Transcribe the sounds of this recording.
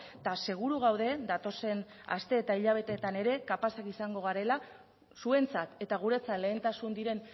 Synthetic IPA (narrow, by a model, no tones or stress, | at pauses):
t̪ase̞ɣ̞uɾuɣ̞awðe̞d̪at̪o̞se̞n | a̰st̪e̞ːt̪aiʎaβ̞e̞t̪e̞t̪ane̞ɾe̞kapasakisaŋɡo̞ɣ̞aɾe̞la | sue̞nt͡sat̪e̞t̪aɣ̞uɾe̞t͡sale̞ːnt̪asund̪iɾe̞n